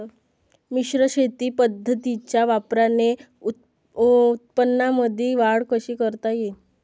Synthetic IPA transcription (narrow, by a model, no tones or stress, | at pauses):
miɕɾəɕet̪iːpəd̪ʱːət̪it͡ɕjaʋapɾane | u | ut̪̚pənːaməd̪ʱiʋaɽkəɕiːkəɾt̪aje